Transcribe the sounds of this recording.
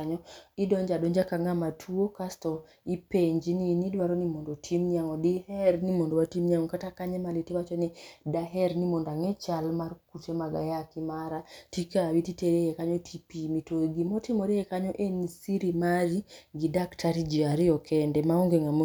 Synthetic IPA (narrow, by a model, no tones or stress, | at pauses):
ɲɔidɔɲd͡ʒadɔɲd͡ʒakaŋɡamatʰuokastɔ | ipeɲd͡ʒininidwaɾɔnimɔndɔtʰimɲaŋɔdihɛɾnimɔndɔwatimɲaŋɔkatakaɲɛmaletiwat͡ʃɔnidaɦɛɾnimondaŋɛt͡ʃalmarkutemaɡa̰jakimaɾatikawititeɾejɛkaɲɔtʰipimitoɡimɔtimoɾeɛkaɲɔʔenisiɾimaɾiɡidaktaɾid͡ʒiaɾiɔkʰɛndɛmaɔŋɡeŋamo